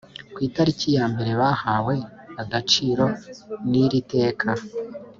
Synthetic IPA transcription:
kwiːtaɾicijaːmbe̞ɾe̞βaːhaːwe̞aɡat͡ʃiːɾo̞niɾite̞ːkʰa

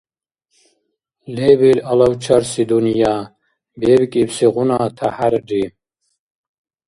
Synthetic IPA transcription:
lebilɐlɐwt͡ʃʰɐɾsid̪unijaː | bebikʼibsiɣunaːt̪ʰahaɾɖi

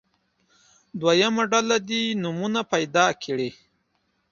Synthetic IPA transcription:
d̪wajamaɖalad̪inumunapajd̪ɑkʰeɽi

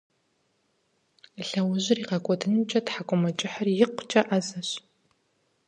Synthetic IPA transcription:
ɬɐwʊʑɪriːʁɐkʷʼɔdʰɨnt͡ʃʼɐtħakʷʼɔmɐt͡ʃʼɪħɐrjɪqʷt͡ʃʼɐʔɐzɐɕ

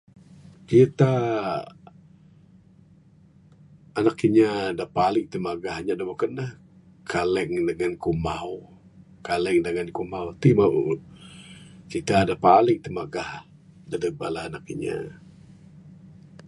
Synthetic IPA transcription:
kit̪a | nakːiɲadahpalɪŋt̪əmaɡahɲaʔdabokənəh | kʰalɛŋdəŋankumaw | kalɛŋdəŋankumawt̪ima | kit̪adapalɪŋt̪əmaɡah | dadəba̰ʔlahanakːiɲa̰

